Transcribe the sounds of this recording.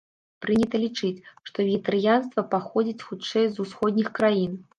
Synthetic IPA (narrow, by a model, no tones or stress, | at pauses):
pɾɨnʲɛt̪ɐlʲit͡ʂɨt͡sʲʂt̪ɔvʲit̪ɐɾɨjanst̪vɐpaxɔd͡zʲit͡sʲxut͡ʂɛjzusxɔd̪ʲnʲixkɾajin